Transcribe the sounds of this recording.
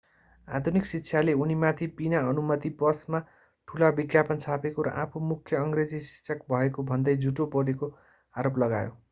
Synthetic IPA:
a̰d̪ʱuniksitːsʰjaleunimat̪ʰipinaʌnumʌt̪ipʌsma | ʈʰulabiɡjapʌnt͡sʰapekoɾʌ̰ʔapʰomukʰːjʌʌŋɡred͡zisi̥sʰʌkbʱʌekobʱʌnd̪ʌjd͡zʱuʈopʌɽeko | aɾoplʌɡajo̰

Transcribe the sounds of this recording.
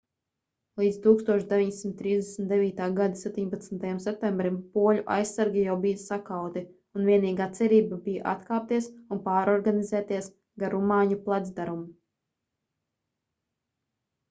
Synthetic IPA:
lˠiːd̪zt̪uːkst̪uɔʃd̪eviɲsimt̪ːɾiːzd̪esmnt̪̚d̪ɛviːt̪aːɡad̪asɛp̚ʲt̪iɲpat̪snt̪ajamsɛp̚t̪ɛmbɾimpuɔlʲuʔa̰jsaɾɡʲijawbijasakawt̪i | unviɛniːɡat̪sɛɾiːbabija̰ʔa̰t̪kaːp̚t̪iɛsunpaːɾɔɾɡanizɛːt̪iɛs | ɡaɾumaːɲuplˠad̪zd̪aɾumu

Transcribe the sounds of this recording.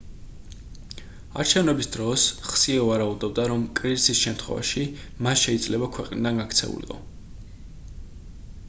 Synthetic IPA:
a̰ɾt͡ʃʰɛvnɛbisd̪ɾɔsχsiɛvaɾaud̪ɔb̚d̪aɾɔmkʼɾizisisʃɛmt̪ʰχwɛ̰va̰ʃi | masʃɛid̪zlɛbakʰwɛqʼnḭd̪anɡakʰt̪sʰɛ̰ṵlḭqʼɔ̰

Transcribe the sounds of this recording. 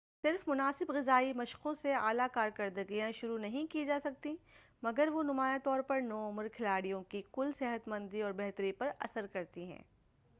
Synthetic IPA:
sɪɾfmʊnaːsɪbɣɪzaːimɐʃqõsea̰ːlakaːɾkɐɾd̪əɡijãʃʊɾunɐɦĩkid͡ʒaːsɐk̚t̪i | mɐɡəɾʋonʊmaːjat̪ɔːɾpɐɾnɔːʊməɾkʰɪlaːɽijõkikʊlseɦət̪mɐ̃nd̪iɔːɾbɛɦt̪əɾipɐɾɐ̰səɾkɐɾt̪iɦɛ̰̃ː

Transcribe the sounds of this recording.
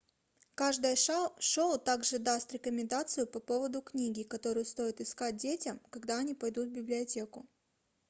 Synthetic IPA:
kaʐd̪əjəʂowt̪aɡʐɨd̪ast̪ɾʲɪkəmʲɪnd̪at̪sɨjʊpɐpo̞vəd̪ʊknʲiɡʲɪkɐt̪o̞ɾɨjʊst̪o̞jɪt̪ɪskat̚ʲdʲetʲəmkɐɡd̪aɐnʲipɐjd̪ut̪vbʲɪblʲɪɐtʲe̞kʊ

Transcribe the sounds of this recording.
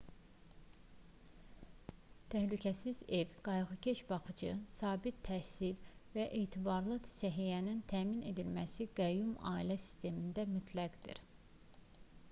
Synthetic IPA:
t̪ʰæhlycʰæsize̞vɡ̥ɑjɣɯcʰe̞ʃbɑχɯd͡ʒɯsɑːbit̪ʰːæhsilvæʔeːt̪ʰibɑɾlˠɯsæɦijænint̪ʰæːmine̞d̪ilmæsiɡæjumɑ̰ːilæsi̥st̪e̞mind̪æmyt̪ʰlæɡd̪ḭɾ

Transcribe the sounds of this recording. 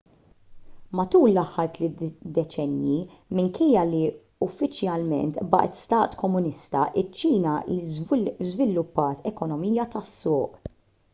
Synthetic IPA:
mɐt̪uːlːɐħːɐɾt̪lɪt̪d̪ɛt͡ʃɛnjimɪŋkʰɛjːɐli | ʊfːɪt͡ʃjɐlmɛ̰nt̪bɐ̰ːʔɛt̪st̪ɐːt̪kɔmːʊnɪst̪ɐʔɪt͡ʃːiːnɐlizzvɪlːʊpːɐːt̪ʰɛkɔnɔmijɐt̪ɐsːʊːʔ

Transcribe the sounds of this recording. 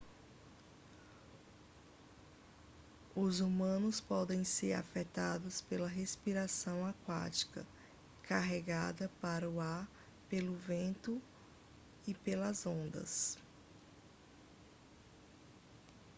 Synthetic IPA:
ʊzumɐ̃nʊspɔd̪ẽj̃seɾa̰fɛt̪ad̪ʊspelɐɦespiɾasɐ̃w̃akwa̰t͡ʃi̥kɐ̰ | kaɦeɡad̪ɐpaɾɐuaɾ | pelʊvẽnt̪ʊ | ɪpelɐzõnd̪ɐ̰s

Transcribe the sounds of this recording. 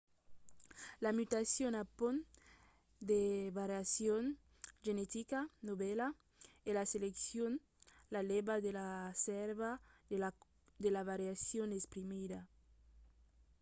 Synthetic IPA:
lamyt̪asjonapon | d̪eβaɾjasjon | ʒenet̪ikanoβɛla | elaseleksjon | lalebad̪elasɛɾβae | d̪elaβaɾjasjonespɾimida

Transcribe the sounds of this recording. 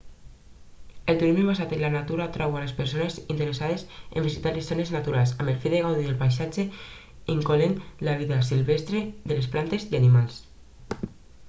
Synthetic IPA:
elt̪uɾizeβbas̬at̪enlanat̪uɾat̪ɾawalespeɾsonezint̪eɾesað̞ezḛmbisit̪aɾlessoneznat̪uɾalsamelfiðeɣawðiðelpajsad͡ʒe | iŋkolenlaβ̞iðasilβest̪ɾeðelesplant̪ezianimals

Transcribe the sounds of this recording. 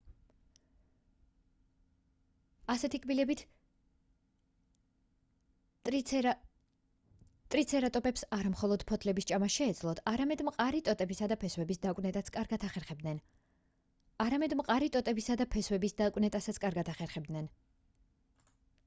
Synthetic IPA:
asɛt̪ʰikʼbilɛbit̪ʰ | t̪ʼɾit̪sʰɛɾat̪ʼɔpʼɛpsaɾamχɔlˠɔd̪̥pʰɔt̪ʰlɛbist͡ʃʼamasʃɛːd̪zlˠɔt̪ʰaɾamɛd̪mqʼaɾit̪ʼɔt̪ʼɛbisad̪apʰɛswɛbisd̪akʼwnɛt̪ʼat̪sʰkʼaɾɡat̪ʰaχɛɾχɛbd̪nɛn | aɾamɛd̪mqʼaɾit̪ʼɔt̪ʼɛbisad̪apʰɛswɛbisd̪akʼwnɛt̪ʼasat̪sʰkʼaɾɡad̪aχɛɾχɛbd̪nɛn

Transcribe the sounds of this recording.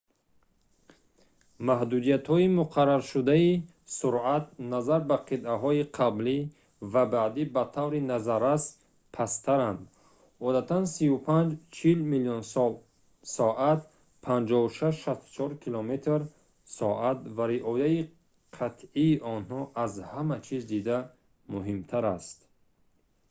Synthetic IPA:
mahd̪ud̪ijat̪hɔimuqʰaɾːaɾʃud̪ai | suɾat̪̚nazaɾbaqʰid̪ʔaɦɔiqʰabli | vabaʕd̪ibat̪ʰavɾinazaɾas | pʰast̪ʰaɾand̪ | ɔd̪at̪ʰansiupʰand͡ʒt͡ʃʰilmiliɔns | sɔʔat̪̚ | pʰand͡ʒɔuʃaʃʃast̪u̥t͡ʃʰɔɾkʰilɔmet̪ʰɾ | sɔʔat̪̚vaɾiʔɔjai | qʰat̪ʰiːʔɔnhɔʔazhamat͡ʃʰizd̪id̪a | muɦimt̪ʰaɾast̪

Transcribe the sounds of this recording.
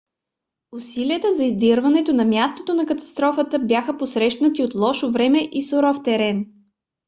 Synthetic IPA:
ʊsiliət̪əzɐizd̪iɾvɐnɛt̪onɐmʲjast̪ot̪onɐkɐt̪ɐ̥st̪ɾɔfət̪əbjaxəposɾɛʃnət̪iot̪lˠɔʃovɾɛmɛʔisoɾɔft̪ɛɾɛn

